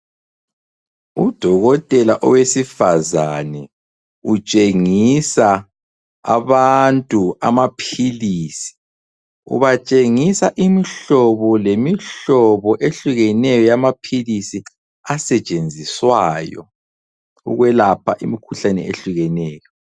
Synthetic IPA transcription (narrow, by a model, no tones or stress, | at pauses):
ud̥ʱɔɣɔtʼɛlaʔɔwesifazanɛ | ut͡ʃʼeŋisa | aβantʼua̰mapʰiliːsi̥ | ṵβat͡ʃʼeŋisaʔimiɬɔβɔlemiɬɔβɔʔeɬuɣɛnɛjɔjamapʰilisi | asɛt͡ʃʼend͡zʱiswaːjɔ̰ | ṵɣwɛlapʰaʔimikʰuɬanɛ̰eɬuɣɛnɛːjɔ